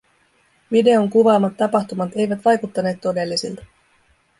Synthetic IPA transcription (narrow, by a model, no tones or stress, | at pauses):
ʋide̞o̞ŋkuʋɑːmːɑt̪ːɑpɑxt̪umɑt̪e̞jʋæt̪ʋɑjkut̪ːɑneːt̪ːo̞de̞lːisilt̪ɑ̥